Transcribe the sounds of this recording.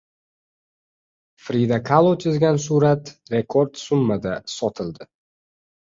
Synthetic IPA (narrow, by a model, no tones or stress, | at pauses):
fɾid̪akʰalˠot̪ʰjɪzɡʲansuɾat̪ɾe̞kʰoɾd̪sʊmːad̪asɒt̪ʰɪld̪ɪ